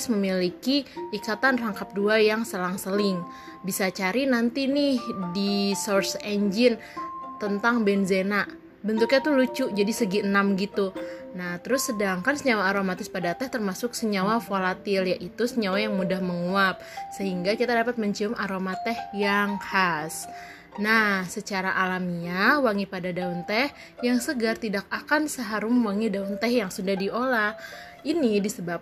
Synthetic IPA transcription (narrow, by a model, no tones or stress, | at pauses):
sməmilikiʔikat̪anraŋkap̚duajaŋsəlaŋsəlɪŋ | bisat͡ʃaɾinant̪inɪhdisorsɛɲd͡ʒɪn | t̪ənt̪aŋbɛnzenaʔ | bənt̪ʊkɲat̪ulut͡ʃuʔd͡ʒadisəɡiənamɡit̪unaht̪əɾʊsːədaŋkansəɲawaːɾomat̪ɪspadat̪ɛht̪ərmasʊksəɲawafolat̪ɪljaʔit̪usəɲawajaŋmudahməŋuap̚səɦiŋɡakit̪adapat̪̚məɲt͡ʃiʊmʔaɾomat̪ɛhjaŋhas | nahsət͡ʃaɾaʔalamiɲawaŋipadadaunt̪ɛh | jaŋsəɡart̪idak̚akansəɦaɾʊmwaŋidaunt̪ɛhjaŋsundahdiolah | inidisəbap̚